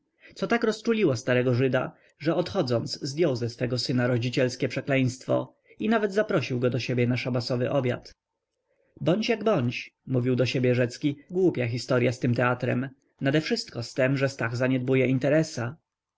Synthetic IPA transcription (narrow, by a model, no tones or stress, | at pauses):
t̪sɔt̪akɾɔst͡ʂulʲiwast̪aɾɛɡɔʐɘd̪a | ʐɛɔt̪xɔd̪zɔnt̪szd̪jɔwzɛsfɛɡɔsɘnaɾɔd͡ʑit͡ɕɛlskʲɛpʂɛklɛj̃st̪fɔ̰ | inavɛd̪zapɾɔɕiwɡɔd̪ɔɕebʲjɛnaʂabasɔvɘ̰ʔɔbʲja̰t̪ | bɔɲt͡ɕjaɡbɔɲt͡ɕmuvʲiwd̪ɔɕebʲjɛʐɛt̪skʲiɡwupʲjaxʲist̪ɔɾjast̪ɘmt̪ɛat̪ɾɛ̰m | nad̪ɛfʂɘst̪kɔst̪ɛmʐɛst̪aɣzaɲɛd̪̚bujɛint̪ɛɾɛsa